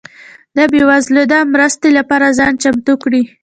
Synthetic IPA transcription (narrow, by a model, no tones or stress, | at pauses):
d̪əbewazlod̪amɾəst̪elapɑɾazɑnt͡ʃamt̪ukɽi